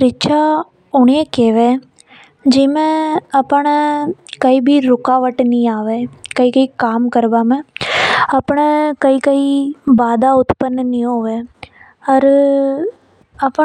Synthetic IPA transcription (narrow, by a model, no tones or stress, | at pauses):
ɾɪt͡ʃa | ʊɳeːkeːʋeː | d͡ʒɪmẽɐpːəɳ̃kɐiːbʱiɾʊkaːʋəʈːnĩaːʋeːkɐikɐikaːmkɐɾʋaːmẽ | ɐpːɳ̃ekɐikɐibaːd̪aːʊt̪pənːənioːʋeː | ɐɾ | ɐpː